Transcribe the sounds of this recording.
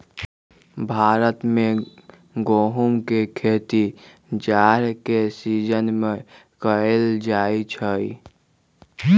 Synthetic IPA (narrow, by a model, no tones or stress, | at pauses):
bʱaːɾət̪mẽ | ɡoːɦumkekʰeːt̪i | d͡ʒaːɾkesiːd͡ʒənmẽkəeld͡ʒaːit͡ʃʰəi